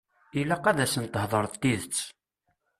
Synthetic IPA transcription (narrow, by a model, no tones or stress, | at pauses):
ilːæqæðæsənt̪ːəhðˤəɾˤt̪ːiðət͡sː